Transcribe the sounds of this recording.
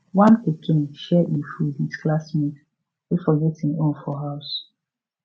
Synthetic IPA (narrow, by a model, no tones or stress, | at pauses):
wãnpekʰɪ̃nʃɛʔimfudisklasmĩk | ɪfɔɡɛtɪ̃ŋõnfɔɦaʊs